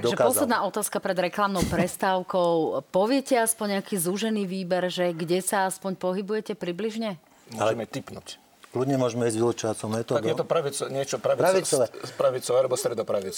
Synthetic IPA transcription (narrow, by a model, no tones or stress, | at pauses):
t̪aɡ̪ʒɛkaɔslɛd̪naːʔɔt̪aːskapɾɛd̪ɾɛklamnɔʊpɾɛst̪aʊkɔʊpɔʋɪɛcɛaspɔɲːakiːzuʒɛniːʋiːbɛɾʒɛɡɟɛsaaspɔɲpɔɦibujɛcɛpɾibliʒɲɛ | mɔalɛɛmɛt̪ipnṵc | kluɟɲɛmʊɔʒmɛizɟʋilut͡ʃɔʋat͡sɔʊmɛt̪ɔːd̪ɔɛt̪ɔpɾaʋit͡sɔɲɪɛt͡ʃɔpɾaʋipɾaʋit͡sɔʋɛːpɾaʋit͡sɔʋɛːalɛbɔst̪ɾɛd̪ɔpɾaʋit͡s